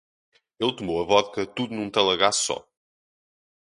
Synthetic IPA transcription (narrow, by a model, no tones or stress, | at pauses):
elˠt̪umowɐvɔðkɐt̪uðunũt̪ɐlˠɐɣassɔ̰